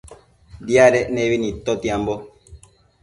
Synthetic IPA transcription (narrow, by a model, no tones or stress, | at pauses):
djaɾɛnewinit̪ot̪iambo